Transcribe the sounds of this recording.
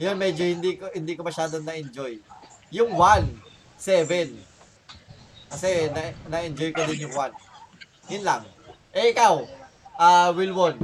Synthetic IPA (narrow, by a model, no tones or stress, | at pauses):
jonmɛd͡ʒohɪnd̪ikohɪnd̪ikomɐʃaːd̪onɐʔɪnd͡ʒojjʊŋwan | sɛvɛn | kɐsɛnɐnɐʔɪnd͡ʒojkod̪ɪnjʊŋwan | jʊnlaŋ | ʔɛʔɪkaw | ʔawɪlwon